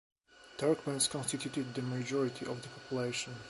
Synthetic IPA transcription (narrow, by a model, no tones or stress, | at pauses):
t̪ʰaɹkbɛ̃nskʰɔ̃nst̪it̪ʰut̪ɨd̪̚ðəmad͡ʒɔɹɪt̪ʰiʔɔvðəpʰɔpʰjuleɪʃə̃n